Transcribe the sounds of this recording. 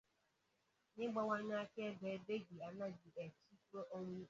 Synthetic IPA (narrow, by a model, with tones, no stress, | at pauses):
nɪ˦ɡ͡ba˦wʷa˦ɲa˦ke˦be˨˦be˦ɡi˨a˨na˦ɡi˨ʔe˨t͡ʃi˦kɾo˦ʔo˦ŋʷi˦